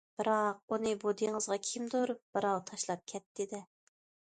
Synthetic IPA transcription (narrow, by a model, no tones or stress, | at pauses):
b̥ɨɾɑq̚unɨbod̪iŋəzʁɑkʲʰimd̪uɾb̥ɨɾɑwt̪ʰɑʃlˠɑp̚kʲʰɛt̪ːɪd̪ɪ